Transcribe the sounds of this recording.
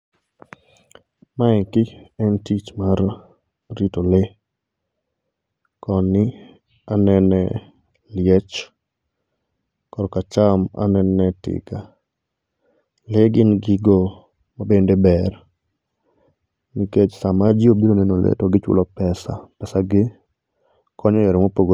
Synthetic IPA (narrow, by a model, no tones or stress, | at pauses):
maɪkɪɛntit͡ʃmarː | itole | kɔnɪ | anɛnɛ | ljɛt͡ʃ | kɔɾɔkat͡ʃama̰nɛnːɛtɪ̰ɡa | leɡɪnɡɪɡɔ | mabendebɛr | nɪket͡ʃsamad͡ʒiobiɾonenolḛtoɡɪt͡ʃwʊ̰lɔpɛsa̰pɛsaɡɪ | kʰɔɲɔjɛɾɪmopoɡo